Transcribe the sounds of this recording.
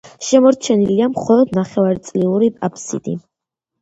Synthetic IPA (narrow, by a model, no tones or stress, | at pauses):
ʃɛmɔɾt͡ʃʰɛniliamχɔlˠɔd̪naχɛvaɾt̪sʼliuɾipʼapʰsḭt̪ʼḭ